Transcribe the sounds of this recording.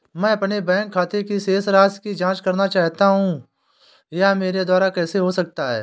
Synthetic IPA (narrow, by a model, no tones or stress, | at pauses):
mɛ̃ːɐpnebɛ̃ːŋkʰːaːt̪ekiseːsɾaːskid͡ʒãːt͡ʃkəɾnat͡ʃaːɦt̪aɦũː | jameːɾed̪waːɾakɛːseɦosək̚t̪aɦɛ̰ː